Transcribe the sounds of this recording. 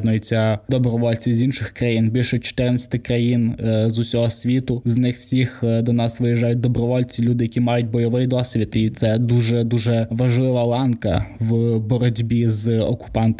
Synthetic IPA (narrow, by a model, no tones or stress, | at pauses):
d̪nʊjɪt͡sʲːɐd̪ɔbɾɔʋɔlʲt͡sʲizʲinʃɪxkɾɐjinbʲilʲʃɔt͡ʃɔ̥t̪ɪrnɐsʲɐ̥t̪ɪkɾɐjinzʊsʲɔɦɔsʲʋʲit̪ʊznɪxwsʲixd̪ɔnɑsʋɪjiʒɑjʊt̚ʲd̪ɔbɾɔʋɔlʲt͡sʲilʲud̪ɪjɐkʲimɑjʊt̚ʲbɔjɔʋɪjd̪ɔsʲʋʲit̪it̪sɛd̪uʒɛd̪uʒɛʋɐʒlˠɪʋɐlˠɑnkɐ̰wbɔɾɔdʲbʲizɔ̰kʊ̥pɑnt̪